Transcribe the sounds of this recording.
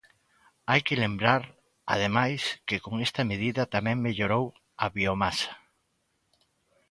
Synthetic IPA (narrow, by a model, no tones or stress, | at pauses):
ajkɪlembɾaɾ | a̰ð̞emajskɪkoŋest̪ɐmeð̞iðɐt̪amɛ̃ŋmeʎoɾow | ɐβiomasɐ̥